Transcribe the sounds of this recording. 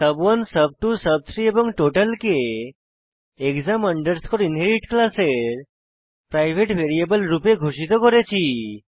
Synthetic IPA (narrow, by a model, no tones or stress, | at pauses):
səbʋənsəb̚ʈusəb̚t̪ʰɾiebɔŋɡʈoʈəlke | kzaməɳɖəɾskʰɔɾinɦeɾiʈklaseɾ | pɾajʋʱeʈʋeɾijebəlɾupeɡʱuʂit̪ɔkɔɾet͡ʃʰi